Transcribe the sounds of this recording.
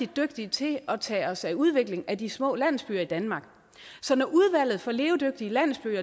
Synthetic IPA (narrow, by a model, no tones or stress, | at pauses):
id̥øɡ̥d̥it͡sʰe̝ɒ̽t͡sʰɛ̰ːɒ̽sæuð̞ˠʋe̝ɡ̥le̝ŋæd̥ismɔ̰̽ːlæn̰l̩sb̥y̰ːɐid̥ænmɑ̈ːɡ̥ | sɒ̽nɒʔuðˠʋæl̰ð̩ˠfɒ̽le̝ːʊd̥øɡ̥̚d̥iəlæn̰l̩sb̥y̰ːɐ